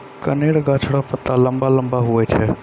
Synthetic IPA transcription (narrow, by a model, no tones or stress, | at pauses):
kəneɽɡat͡ʃʰɽapət̪ːaləmbaləmbaɦuɛt͡ʃʰe